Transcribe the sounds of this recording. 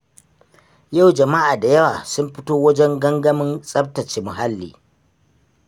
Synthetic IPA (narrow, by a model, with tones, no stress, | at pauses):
ja˦˨wd͡ʒɐ˨ma˦ʔaː˨da˨jɐ˦waː˨sʊ˦mɸɪ˦toː˦wɐ˦d͡ʒɛ˦ŋɡɐ˦ŋɡɐ˦mɪ˦nsʼɐ˦b̚tɐ˨t͡ʃeː˨mʊ˨ɦa˦lːḭː˨